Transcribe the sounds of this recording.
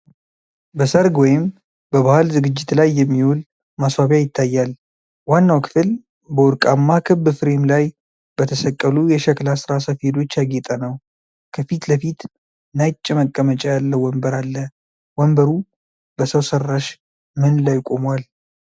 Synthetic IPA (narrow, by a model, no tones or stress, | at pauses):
bəsəɾɡwɔjɪm | bəβahalzɨɡɨd͡ʒːɪt̪lajːɛmːiwul | maswaβjajɪt̪ʰːajːal | wanːawkʰɨ̥fɨl | bəwʊɾkʼamːakʰɨbːɨfɨɾemlaj | b̥ət̪ʰəsəkʼːəlujɛʃɛklasɨɾasafed̪o̞t͡ʃːjaɡet̪ʼənəw | kʰəfit̪ləfit̪ | najt͡ʃʼːɪməkʼːəmət͡ʃʼɛjalːəwɔmbəɾalːə | wɔmbəɾu | b̥əsəwsərːaʃ | mɨnlajkʼo̞mwal